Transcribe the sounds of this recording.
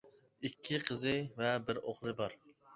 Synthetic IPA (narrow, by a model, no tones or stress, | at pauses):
ikʲʰːiqʰəzɨvɛbɪɾoχlˠɨbɑɾ